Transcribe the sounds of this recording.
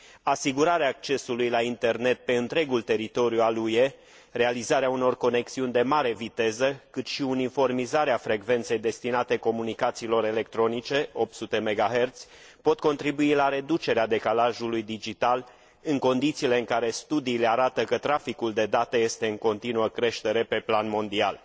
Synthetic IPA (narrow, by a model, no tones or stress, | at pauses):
asiɡuɾaɾeaːk̚t͡ʃe̞sulujlaint̪e̞rne̞t̪̚pe̞ɨnt̪ɾe̞ɡult̪e̞ɾit̪o̞ɾjualuje̞ | re̞alizaɾeauno̞rko̞ne̞ksiunʲd̪e̞maɾe̞vit̪e̞zəkɨt̪ʃiunifo̞rmizaɾeafɾe̞ɡve̞nt̪se̞jd̪e̞st̪inat̪e̞ko̞munikat̪siːlo̞ɾe̞le̞k̚t̪ɾo̞nit͡ʃe̞o̞p̚t̪sut̪e̞me̞ɡaɦe̞rt̪sʲpo̞t̪̚ko̞nt̪ɾibuilaɾe̞d̪ut͡ʃe̞ɾead̪e̞kalaʒulujd̪id͡ʒit̪al | ɨŋko̞nd̪it̪siːle̞ɨŋkaɾe̞st̪ud̪iːle̞aɾat̪əkət̪ɾafikuld̪e̞d̪at̪əje̞st̪e̞ɨŋko̞nt̪inuəkɾe̞ʃt̪e̞ɾe̞pe̞planmo̞nd̪ia̰l